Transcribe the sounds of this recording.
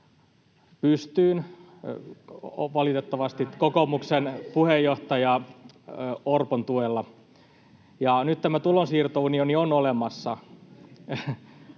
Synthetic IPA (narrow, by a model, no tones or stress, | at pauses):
pyst̪yːn | ʋɑlit̪et̪ːɑʋɑst̪ikokomuksenpuhejːoht̪ɑjɑ | orpont̪uelːɑ | jɑnyt̪t̪æmæt̪ulonsiːrt̪ounionionolemɑsːɑ